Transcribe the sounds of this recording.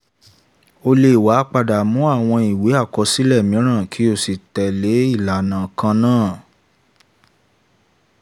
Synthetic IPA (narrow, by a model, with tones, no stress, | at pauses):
o˧le˦˨wa˨˦k͡pa˧da˨mũ˨˦a˦˨w̃ɔ̃˧i˨we˨˦a˦˨kɔ˧si˦lɛ˦˨mĩ˨˦ɾ̃ã˦˨kʰi˨˦o˦˨si˨tɛ˨le˨˦i˦˨la˨nã˨kã˧nãː˦˨